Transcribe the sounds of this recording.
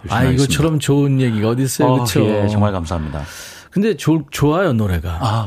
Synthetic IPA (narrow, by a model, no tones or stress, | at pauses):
aiɡʌt͡ɕʰʌɾʌmt͡ɕoɯnje̞ɡiɡaʌdis͈ʌjokɯt͡ɕʰoet͡ɕʌŋmaɭkamsʰaɦamɲida̰ | kɯnde̞t͡ɕot͡ɕoajonoɾe̞ɡaa